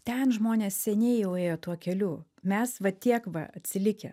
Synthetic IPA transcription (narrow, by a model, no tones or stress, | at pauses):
t̪ʲɛnʒmoːnʲeːssʲɛnʲɛɪjɛʊeːjoːt̪uɔkʲɛlʲuːmʲɛsʋɐt̪ʲiɛkʋɐ̰ɐt̪ʲsʲɪlʲɪkʲɛ̰